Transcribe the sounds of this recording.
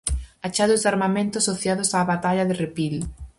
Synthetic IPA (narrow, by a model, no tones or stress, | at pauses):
at͡ʃaðʊzðd̪aɾmamẽnt̪ʊasoθjaðʊsaːβat̪aʎaðɪrepil